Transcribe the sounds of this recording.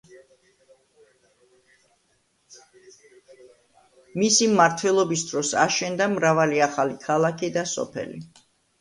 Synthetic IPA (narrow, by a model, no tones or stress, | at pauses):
misimːaɾt̪ʰwɛlˠɔbisd̪ɾɔsa̰ʃɛnd̪amɾavaliaχalikʰalˠakʰid̪asɔ̰pʰɛ̰lḭ